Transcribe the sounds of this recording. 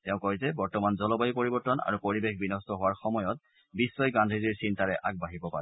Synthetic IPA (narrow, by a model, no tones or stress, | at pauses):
tɛʊ̃kɔjzɛbɔɹtɔmanzɔlɔbajipoɹibɔɹtɔna̰ɹupoɹibexbinɔstɔɦʊwaɹxɔmɔjɔt̚ | bisːɔjɡandʱiziɹsintaɹɛʔak̚baɦibɔpa̰ɹɛ